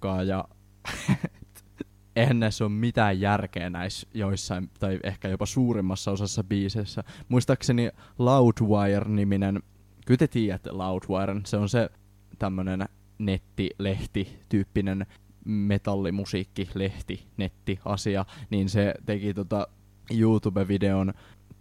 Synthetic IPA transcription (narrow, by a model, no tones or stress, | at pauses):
kɑːjɑ | eænːesommit̪æːjjærkeːnæisjoisːɑimt̪ɑiʔehkæjopɑsuːrimːɑsːɑosɑsːɑbiːseːsːæmuist̪ɑksenilɑut̪ʋɑjerniminen | kyt̪et̪iːjæt̪ːḛlɑut̪ʋɑjrnseonse | t̪æmːønen | net̪ːile̞ht̪it̪yːpːinen | met̪ɑlːimusiːkːileht̪inet̪ːiɑsiɑniːnset̪ekit̪ot̪ɑ | juːt̪ubeʋideon